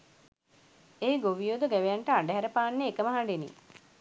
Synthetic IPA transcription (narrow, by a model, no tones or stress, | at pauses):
eːɡoʋijod̪uɡæʋejaɳʈəaɖəɦæɾəpaːnːeːkəməɦaɳɖenḭ